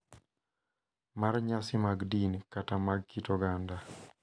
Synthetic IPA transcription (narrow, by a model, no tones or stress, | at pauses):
marɲasɪmaɡdinkatamaɡkitɔɡanda